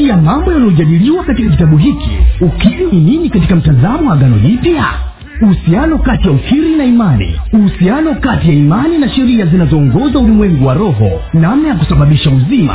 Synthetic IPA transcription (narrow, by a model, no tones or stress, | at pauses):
ijamambɔjaniɔʄaɗiliwakatikakitaɓuɦikḭukiɾinininikatikam̩tazamɔwaɠanɔ̰ʄipja | uhusianɔkatijaukiɾinaimanḭuhusianɔkatijaimaninaʃɛɾiazinazɔːŋɡɔzaulimwɛŋɡuwaɾɔɦɔ̰ | namnajak̬u̥saɓaɓiʃauzima̰